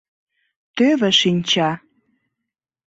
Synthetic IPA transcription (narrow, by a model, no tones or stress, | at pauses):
t̪øβĕʃinʲt͡ɕɑ